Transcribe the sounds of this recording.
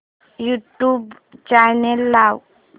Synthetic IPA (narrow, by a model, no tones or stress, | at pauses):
juʈjub | t͡ʃajnelːaw